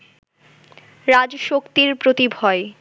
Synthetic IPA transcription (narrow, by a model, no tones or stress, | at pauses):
ɾad͡ʑʃokt̪iɾpɾot̪ibʱɔe